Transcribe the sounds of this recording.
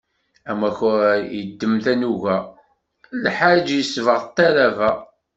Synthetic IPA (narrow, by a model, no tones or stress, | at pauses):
æmæçjəd̪ːəmθænuʝæ | lħaɾd͡ʒjəsvəʁt̪ˤːæɾævæ